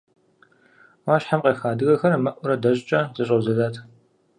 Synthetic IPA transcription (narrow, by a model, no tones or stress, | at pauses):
waːɕħamqeːxaːdɨɣɐxɐɾɐmɐʔʷʊɾɐdɐʑʼt͡ʃʼɐzɐɕʼɐwzɐzaːtʰ